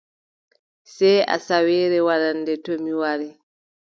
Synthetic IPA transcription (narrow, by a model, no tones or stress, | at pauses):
sɛja̰sawɛːɾɛwaɾandɛtomiwaɾɛ